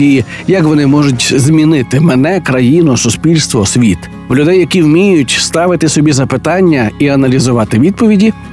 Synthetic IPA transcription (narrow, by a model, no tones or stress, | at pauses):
i | jɐkʋɔnɪmɔʒʊtʲzmʲinɪt̪ɪmɛnɛkɾɐjinʊsʊspʲilʲst̪ʋɔsʲʋʲit̪ | lʲʊd̪ɛjːɐkʲiwmʲijʊtʲst̪ɑʋɪt̪ɪsɔbʲizɐpɪt̪ɑnʲːɐiɐnɐlʲizʊʋɑt̪ɪʋʲid̪̚pɔʋʲidʲi